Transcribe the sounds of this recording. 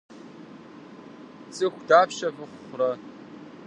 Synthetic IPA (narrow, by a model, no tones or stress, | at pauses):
t͡sʼɨxʷdaːpʰʃɐfʷɨχʷrɐ